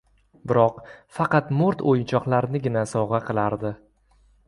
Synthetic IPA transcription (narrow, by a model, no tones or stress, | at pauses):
bɪɾɒqfɑqɑt̪mʊɾt̪ʰojɪnt͡ʃʰɒqlˠaɾnɪɡʲɪnasɒʁɑqʰɨlˠaɾd̪ɪ